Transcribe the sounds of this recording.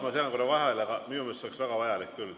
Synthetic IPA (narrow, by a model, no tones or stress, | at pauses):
mɑseɑnkoɾɑvɑɦelɑɡ̥ɑminumest̪ːoleksvæɡ̥ɑvɑjɑlikːylː